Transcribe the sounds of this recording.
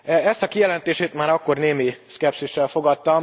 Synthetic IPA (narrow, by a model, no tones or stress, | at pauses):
ɛst̪ɒkijɛlɛnt̪eːʃeːt̪maːɾɒkːo̞rneːmiskɛpsiʃːɛlfo̞ɡɒt̪ːɒm